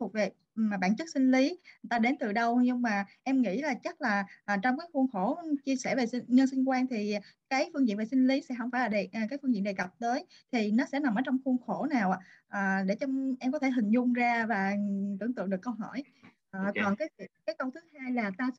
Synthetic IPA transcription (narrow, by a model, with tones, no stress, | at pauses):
fʊ˨˩k͡p̚ve˨˩ | mː˨˩ɓa̰ː˧˥˨nt͡ɕə˦˥t̚sï˧ŋ̟li˨˦˨t̪aː˧ɗe˨˦nt̪ɨ˨˩ɗə˧wɲɨ˧ŋmaː˨˩ʔɛ˧mŋḭ˧˥laː˨˩t͡ɕa˦˥t̚laː˨˩ʔaː˨˩t͡ɕɔ˧wŋ͡mkaː˨˦jxu˧ənxo˧˩t͡ɕi˧əsɛ˧˩ve˨˩sɲə˧nsi˧ŋ̟kwaː˧nt̪ʰi˨˩kaː˨˦jfɨ˧ŋzḭ˧˨ve˨˩sï˧ŋ̟li˨˦sɛ̰˧˥ɦə˧wŋ͡mfaː˧˩jlaː˨˩e˨˩ʔːkaː˨˦jfɨ˧ŋzḭ˧˨nɗe˨˩ka˨˩p̚t̪əː˨˦j | t̪ʰi˨˩nɔ˨˦sɛ̰˧˥na˨˩mʔəː˧˩˦t͡ɕɔ˧wŋ͡mxu˧ənxo˧˩naː˨˩wʔa̰ː˨˩ | ʔəː˨˩ɗe˧˩t͡ɕɔ˧ʔɛ˧mkɔ˨˦t̪ʰe˧˩ɦï̟˨˩zʊ˧ŋ͡mzaː˧vaː˨˩t̪ɨ˧˩ət̪ɨ̰˧˨əŋɗɨ˨˩əkːə˧wɦɔ̰˧˩j | ʔːt̪wɔː˨˩nkaː˨˦jkaː˨˦jkə˧wt̪ʰɨ̥˨˦haː˧jlaː˨˩t̪aː˧